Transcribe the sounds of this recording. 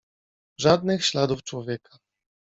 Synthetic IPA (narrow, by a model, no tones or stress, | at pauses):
ʐad̪nɘxɕlad̪uft͡ʂwɔvʲjɛkḁ